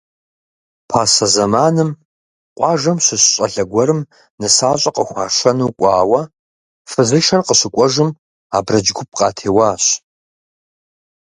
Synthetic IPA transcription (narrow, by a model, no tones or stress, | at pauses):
pʰaːsɐzɐmaːnɨm | qʷʼɑːʒɐmɕɨɕɕʼɐɬɐɡʷɔɾɨm | nɨsaːɕʼɐqʼəxʷɑːʃʷɐnuːkʷʼɑːwɐ | fɨzɨʃɐrqəɕɨkʷʼɔʒɨm | aːbrɐd͡ʒɡʷʊp̚qɑːtʰeːwaːɕ